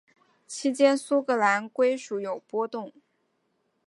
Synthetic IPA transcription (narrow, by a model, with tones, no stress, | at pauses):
t͡ɕʰi˥t͡ɕjɛ˥nsu˥kɤ˧˥la˧˥nkwe˥ɪʂu˧˥jo˨˩ʊpwɔ˥t̪ʊ˥˩ŋ